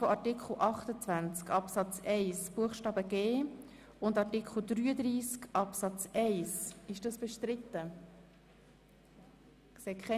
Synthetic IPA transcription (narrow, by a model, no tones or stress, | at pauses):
foʔɑɾtikχl̩ʔɑχt̪ət͡svænt͡skɑpsɑt͡sɛɪsb̥uəχʃtɑːbəɡ̥eː | ʊndɑrtikχl̩ˠd̪ɾyːəd̪ɾiːskɑpsɑt͡sɛɪsɪʃd̥ɑsb̥əʃtɾɪt̪ːə | ksekχɛ